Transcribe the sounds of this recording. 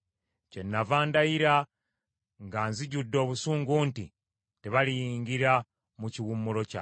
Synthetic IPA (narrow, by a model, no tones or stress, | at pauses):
ce̞nːavaːndajiɾa | ŋɡaːnziɟudːo̞ːβusuːŋɡuntḭ | teβalijiːŋɡiɾa | muciwumːulo̞ca̰